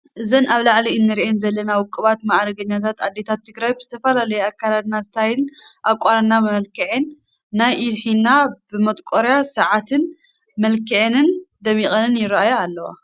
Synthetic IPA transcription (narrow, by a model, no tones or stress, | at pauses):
ʔɨzɐnaβlaʕliɨnːɨɾiʔenzɐlːɐnawʊkʼːɨβat̪maʕɾɐɡɐɲːat̪ʰat̪ad̪ːe̞t̪ʰat̪ʰːɨɡɾajbɨz̥ɨt̪ʰɐfɐlalɐjeakʰːalad̪nazɨt̪ʰɐhajlɨnʔakʷʼːaɾanːamɐlkʰɨʕenː | ajʔidħinabɨmɐt̪ʼkʼoɾjasɐʕat̪ʰɨn | mɐlkʰɨʕenɨnd̪ɐmiχʼɐnɨnjɪɾajoalːɐwa̰